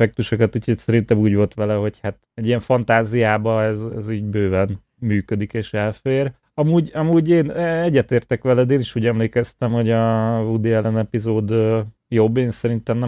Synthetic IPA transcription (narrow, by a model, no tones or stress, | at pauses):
fɛk̚t̪uʃokɛt̪uːcʰhocsɛɾint̪ɛmuːɟʋo̞lt̪ʋɛlɛɦo̞chat̪ | ɛɟːiɛɱfɒnt̪aːzijaːbɒɛzɛ̰ziːɟbøːvɛn | myːkød̪ikeːʃɛlfeːr | ɒmuːɟɒmuːɟeːnɛɛɟːɛt̪eːrt̪ɛkʋɛlɛd̪eːniʃuːɟɛmleːkɛst̪ɛmho̞ɟɒvud̪iɛlɛnɛpizoːd̪ø | jobːeːnsɛɾint̪ɛmnɛ